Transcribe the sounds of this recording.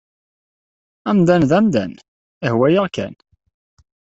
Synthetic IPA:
æmd̪ænðæmd̪æn | ihwæjəʁkæ̰n

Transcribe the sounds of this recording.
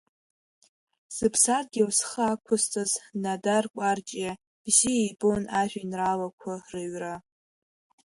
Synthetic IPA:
z̥ɨpʰsarɡʲiwsχəakʷʰʊst͡sʼaznadarkʷʼart͡ʃʼa | bziejbʼonaʒʷᶣinralakʷʰarɨɥra

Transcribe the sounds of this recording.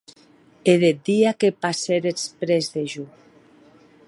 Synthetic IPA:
eðed̪iakepaseɾespɾezðeʒu

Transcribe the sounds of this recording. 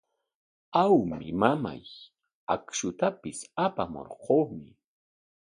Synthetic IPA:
awmɪmama̰j | akʃʊt̪apɪsapamo̰ɾqoːmɪ

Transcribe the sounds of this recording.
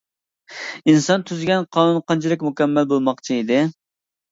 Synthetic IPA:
insɑnt̪ʰyzɡʲɛnqʰɑːnunqɑnt͡ʃʰilɪkʲmukʲɛmːɛlbolˠmɑqt͡ʃʰiid̪ɪ

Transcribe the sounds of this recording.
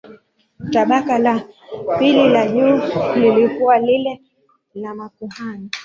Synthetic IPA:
taɓakalapililaʄulilikuwalilɛ | lamakuhani

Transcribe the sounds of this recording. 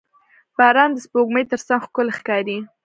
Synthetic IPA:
b̥ɑɾɑnd̪əspoɡməjt̪əɾsaŋɡxkʊlxkɑɾi

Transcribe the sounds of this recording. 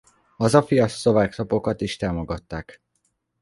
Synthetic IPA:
ɒzɒfijɒso̞vaːkt̪o̞po̞kɒt̪iʃt̪aːmo̞ɡɒt̪ːaːk

